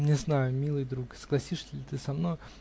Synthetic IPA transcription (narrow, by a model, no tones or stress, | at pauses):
nʲɪznajʊmʲilˠɨjd̪ɾuksə̥ɡ̥lˠɐsʲiʂsʲɪlʲɪt̪ɨsɐmnoj